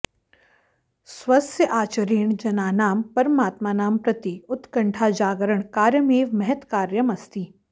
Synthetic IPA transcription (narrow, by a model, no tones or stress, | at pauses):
swɐsjəʔaːt͡ʃəɾiːɳ̃d͡ʒɐnaːnaːmpɐɾəmaːt̪maːnaːmpɾɐt̪iʊt̪kɐ̃ɳʈʰad͡ʒaːɡəɾəɳ̃kaːɾjəmeːʋmɛɦət̪kaːɾjəmɐst̪iː